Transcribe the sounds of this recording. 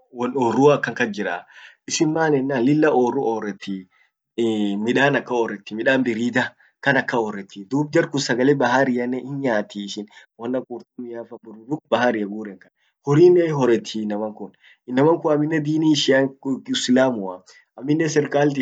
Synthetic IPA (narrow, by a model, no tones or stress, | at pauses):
wɔnɔrːuːakːɐŋkɐd͡ʒɪɾa̰ː | ɪsɪmmaːnɛnːaːlɪlːɐʔoːrʊɔːrːɛt̪ʰːi | mɪᶑaːnɐkːɐɔrːɛt̪ːɪmɪᶑaːnbɪɾiːd̪ɐ | kɐnɐkːɐɔrɛt̪ːid̪uːb̚d͡ʒɐɾkʊsɐɡɐlɛbɐɦaɾɪjɐnːɛɪnɲaːt̪ːiːɪʃɪnwɔnːɐkʼuɾt̪ʊmːɪjaːfɐbʊʊdʊk̚bɐɦaɾɪjɐɡuːɾɛŋkɐn | hɔɾiːnːɛɦɔɾɛt̪ʰːinːɐmɐŋkʊn | ɪnːɐmɐŋkʊɐmːɪnːɛd̪iːniːʃɪɐɪsɪlaːmʊɐ | ɐmːɪnːɛsɛɾkʼaːlt̪̬ɪ